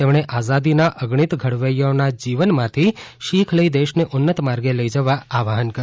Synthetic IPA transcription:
t̪emɽ̃eʔazad̪inaʔəɡɳ̃it̪ɡʱəɽʋəjonad͡ʒiʋənmãt̪ʰiʃikʰləid̪eʃneʔʊnːət̪maɾɡeləid͡ʒəʋaaʋaɦənkəɾ

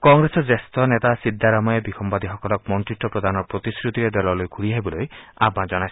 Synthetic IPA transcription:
kɔŋɾesɔd͡ʒest̪ɔnet̪asid̪ʱːaɾamɔjebixʰɔmbad̪iɦɔkɔlɔk̚mɔntɾiʈːɔpɾɔd̪ʱanɔɾpɾot̪iskɾut̪iɾed̪ɔlɔlojɡʰʱuɽiaɦibɔlojabãd͡ʒɔnajs

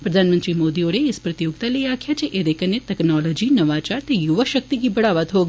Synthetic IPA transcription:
pɾɐd̪ʱaːnmə̃nt̪ɾimoːd̪ioːɾeɪspɾɐt̪ijoːɡt̪aleiaːkʰjat͡ʃʰeʔed̪ekʰənːetɛknɔːlɔːd͡ʒinɐʋaːt͡ʃaːɾt̪ejʊʋəʃək̚t̪ikibɐɽaːʋət̪ɦoːɡ

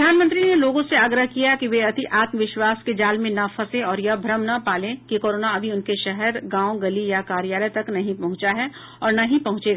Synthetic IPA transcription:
ɾd̪ʱaːnmə̃nt̪ɾineloːɡõseaːɡɾəɦkijakiʋeɐt̪iʔaːt̪məʋɪʃwaːsked͡ʒaːlmẽnɐfʰɐsẽɔːɾjɐbʱɾəmnɐpaːlẽkikoːɾoːnaɐbʱiʊnkeʃɛɦɛɾɡãːõɡɐlijakaːɾjaːləjt̪ɐknɐɦĩpɐɦʊ̃t͡ʃaɦɛ | ɔːɾnɐɦĩpɐɦʊ̃t͡ʃeɡa

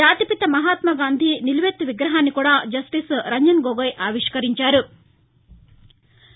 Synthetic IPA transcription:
aːt̪ipit̪ɐmɐɦaːt̪mɐɡaːnd̪ʱiniluʋet̪ːuʋiɡɾɐɦaːnːikuːɽaːd͡ʒɐsʈisɾɐɲd͡ʒɐnɡoɡɐjʔaːʋiʂkɐɾiɲt͡ʃaːɾu

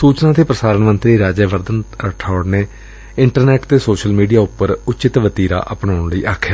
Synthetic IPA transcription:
suːt͡ʃnãːt̪ʰeːpɾəsaːɾənmənt̪ɾiːɾaːd͡ʒɛːʋəɾd̪ənəʈʰɔːɽneː | ɪɳʈəɾnɛːʈt̪eːsoːʃəlmiːɖijaːʊpːəɾʊt͡ʃɪt̪ʋət̪iːɾa̰ːʔəpɳaːʊɳləiːʔaːkʰːjaː

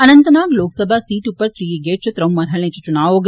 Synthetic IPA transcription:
ɐnɐnt̪ɐnaːɡloːksɐbʱasiːʈupːɐɾt̪ɾiːiɡeːʈ̚t͡ʃʰɐt̪ɾɐwmːɐɾɦɐɭẽːt͡ʃɐt͡ʃunaːʋoːɡ

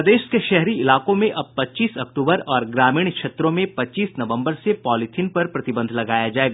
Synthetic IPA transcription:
d̪eːʃkeʃɛɦɾiɪlaːkõmẽʔɐb̚pɐtːt͡ʃiːsɐkʈuːbəɾɔːɾɡɾaːmiːɽkʃʰeːt̪ɾõmẽpɐtːt͡ʃiːsnɐʋə̃mbəɾsepɔːlɪʈ̪ʰɪnpɐɾpɾɐt̪ɪbə̃nd̪ʱlɐɡaːjad͡ʒaːeːɡa

